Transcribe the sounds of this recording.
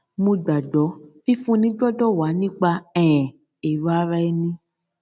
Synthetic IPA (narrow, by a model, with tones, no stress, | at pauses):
mũ˧ɡ͡ba˨dɔ˨˦fi˦fũ˦nĩ˦ɡ͡bɔ˦dɔ˦˨wa˨˦nĩ˦k͡pa˧ɛ̃˨ | e˨ɾa˦ɾa˧˦ɛ˦˧nĩ˧